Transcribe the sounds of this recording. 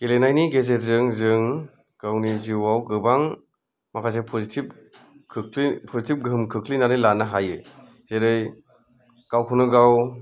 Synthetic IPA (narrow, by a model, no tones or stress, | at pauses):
ɡ̥elenajniɡezet̚zɯŋzɯŋ | ɡ̥awniziwawɡɯbaŋ | makʰas̬epʰɔzitip̚ | kʰɯkʰlipʰɔzitip̚ɡɯmkʰɯkʰlinaɾɯjlanaɦajɯ | z̥eɾɯj | ɡ̥awkʰɯnɯɡaw